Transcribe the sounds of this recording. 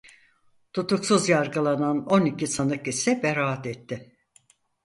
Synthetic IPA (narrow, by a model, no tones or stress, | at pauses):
t̪ʰut̪uksuzjaɾɡɯlˠanano̞nicʰisanɯkisɛbeɾaat̪ɛt̪ʰːɪ